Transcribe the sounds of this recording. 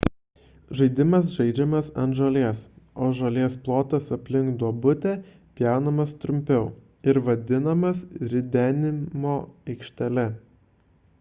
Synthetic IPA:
ʒɐɪd̪ʲɪmɐs̬ʒɐɪd͡ʒʲɛmɐsɐ̰nt̪ʒɐlʲeɛsoːʒɐlʲeɛsplˠoːt̪ɐsɐpʲlʲɪŋkd̪uɔbʊt̪ʲɛ | pʲjæˑʊnɐmɐst̪ɾʊmʲpʲɛʊ | ɪɾʋɐd̪ʲɪnɐmɐsɾʲɪd̪ʲæːnʲɪmoːɛɪkʃʲt̪ʲɛlʲɛ

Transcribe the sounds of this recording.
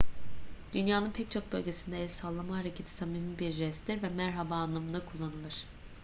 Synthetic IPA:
d̪̥ynjaːnɯnpʰɛc̚t͡ʃʰo̞k̚bø̞lʲɟe̞sind̪ɛːsalˠːamaɦaɾecʰe̞t̪ʰi̥samimibiɾɾɛst̪ʰiɾvɛmæɾɦabaːnlˠamɯnd̪akʰulˠːanɯlˠɯɾ̥

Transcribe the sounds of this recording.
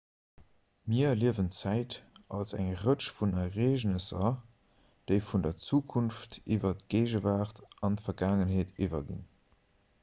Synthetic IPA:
miɐliəvənt͡sæɪtɑlsæ̰ŋʁəʃfunɐʁeːʒnəsɐ | d̥əɪfundɐt͡suːkʰunftivɐtɡ̥eɪʒəvaːχtɑntfɐɡaːŋənɦeːtʰivɐɡḭn

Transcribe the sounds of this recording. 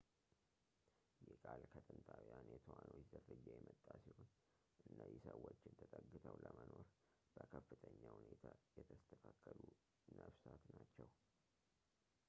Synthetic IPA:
jɛkʼalkʰət̪ʼɨnt̪ʼʰawijanjɛt̪ʰowanot͡ʃzərɨd͡ʒːɛjɛmət̪ʼːasihon | ʔɨnːəzisəwːot͡ʃːɪnt̪ʰət̪ʼəɡːɨt̪ʰəwləməno̞ɾ | b̥əkʰəfːɨt̪ʼʰəɲːahunet̪ʰajɛt̪ʰəst̪ʰəkʰakʰʼːəlu | nəβsat̪nat͡ʃːɛw

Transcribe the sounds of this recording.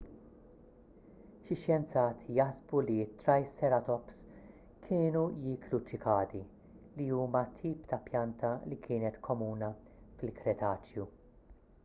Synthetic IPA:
ʃɪʃjɛnt͡sɐːt̪ʰjɐħzbuliɪt̪ːɾɐjst̪ɛɾɐt̪ɔps | kʰɪːnujɪːkʰlut͡ʃɪkɐːd̪i | liuːmɐt̪ʰiːpt̪ɐpjɐnt̪ʰɐlikʰɪːnɛt̪kʰɔmuːnɐfɪlkɾɛt̪ʰɐːt͡ʃju

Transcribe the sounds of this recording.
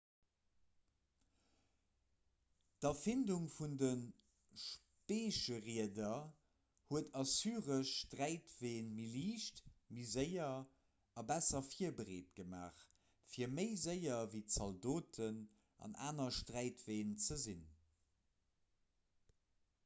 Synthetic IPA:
d̥ɑfɪnduŋfundən | ʃ | peːʃəʁiədɐ | huətɑsyːʁəʃtʁæɪtv̥eːnmiliːʃtmizəɪɐ | ɑbæsɐfiɐbəʁeːt̚ɡ̥əma̰ːχ | fiːɐməɪzəɪɐviːt͡sɑldoːtʰən | ʔɑ̰nʔa̰ːnɐʃtʁæɪtv̥eːnt͡səzin

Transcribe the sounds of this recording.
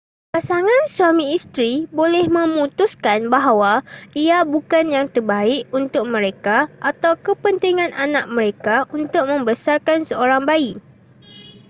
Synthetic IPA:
pasaŋãnsuamĩːst̪ɾibolɛhmə̃mũt̪uskanbaɦawaʔiabukanjaŋt̪ərbaɪʔunt̪ʊk̚mə̃ɾekaʔat̪awkəpənt̪iŋãnʔanãʔ̚mə̃ɾekaunt̪ʊk̚mə̃mbəsarkansəoɾaŋbai

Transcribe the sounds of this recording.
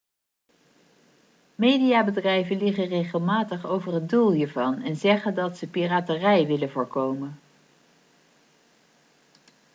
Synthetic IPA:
mejdijaːbədrɛjvənlɪχənrejχəlˠmaːtəχowvərɦəndulˠɦiːɹvɑnɛnzɛχəndɑtsəpiraːtərɛjʋɪlənvʊːɹkowmən

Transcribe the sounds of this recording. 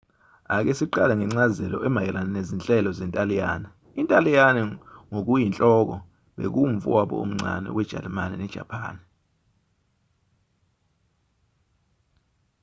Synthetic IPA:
ak̬esiǃalɛŋɛŋ͡ǀazɛlɔʔɛmajɛlanɛnezint͡ɬʼɛlɔzɛntʼalija̰ːna | intʼalijanɛŋok̬ujint͡ɬʼɔk̬ɔ | ɓḛk̬uɱ̩fṵwaɓɔ̰ṵm̩ŋ͡ǀʱa̰nɛ̰wɛd̥ʒ̥ʱa̰lɛmanɛnɛd̥ʒ̥ʱa̰pʰa̰ːnɛ

